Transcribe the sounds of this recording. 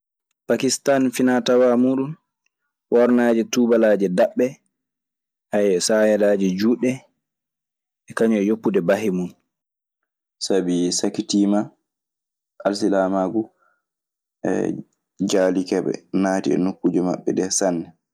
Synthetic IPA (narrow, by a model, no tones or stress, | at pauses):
pakistanfinatawamuːɗun | wɔɾnad͡ʒɛtubalad͡ʒɛdaɓːɛ | ʔajɛsajɛlaːd͡ʒɛd͡ʒuɗɛ | ʔɛkaɲɔjopːudɛbaɦimun | sabisakitima | ʔalsilamaɡu | ɛ̰ | d͡ʒaːlikɛɓɛ̰naːtiɛ̰nokːud͡ʒɛma̰ɓːɛ̰dɛsanːɛ